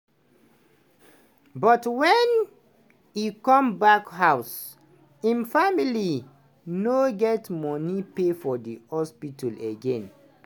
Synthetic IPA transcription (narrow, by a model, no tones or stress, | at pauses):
bɔtwɛn | jukɔ̃mbakhaʊs | ĩnfamili | noɡɛtmɔnipefɔdihɔspitaleɡẽn